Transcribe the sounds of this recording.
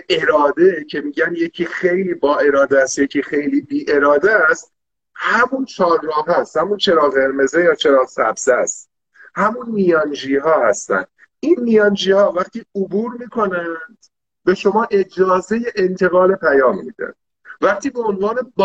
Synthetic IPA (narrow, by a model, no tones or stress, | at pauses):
e̞ɾɒːd̪e̞cʰe̞miːɟænje̞cʰiːxejliːbɒːʔe̞ɾɒːd̪ææst̪jecʰiːxe̞jliːbiːʔe̞ɾɒːd̪æst̪ | hæmunt͡ʃʰɒːɾːɒːɦæst̪hæmunt͡ʃʰe̞ɾɒːɣeɾme̞zejɒːt͡ʃʰe̞ɾɒːsæ̰bz̥æst̪ | hæmunːijɒnd͡ʒiːɦɒːhæst̪æ̰nd̪̥ | inːijɒːnd͡ʒiːhɒːvæχt̪ʰiːobuːɾmiːkʰo̞nænd̪̥ | be̞ʃo̞mɒːʔe̞d͡ʒɒːze̞je̞ʔent̪ʰe̞ɣɒːlepʰæjɒːmːḭːd̪æ̰n̥ | væχt̪ʰiːbe̞onvɒːne̞b